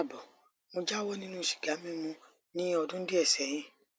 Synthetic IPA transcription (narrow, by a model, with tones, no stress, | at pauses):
bɔ˨ | mo˧d͡ʒa˦wɔ˦nĩ˦nũ˦˨ʃi̥˨ɡ̥a˨˦mĩ˦mũ˧ | nĩ˦ɔ˧dũ˦n̩˦di˦ɛ˦˨sɛ˨j̃ĩ˨˦